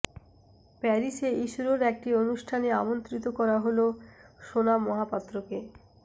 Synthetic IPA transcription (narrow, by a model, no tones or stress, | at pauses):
pɛɾiʃeiʃuɾoɾɛk̚ʈionuʃʈʰaneamont̪ɾit̪okɔɾaɦoloʃonamɔɦapat̪ːɾoke